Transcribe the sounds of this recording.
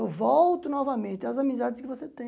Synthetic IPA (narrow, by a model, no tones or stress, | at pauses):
ewvɔwt̪ʊnɔvɐmẽnt̪ɪɐzamizad̪ɪskɪvoset̪ẽ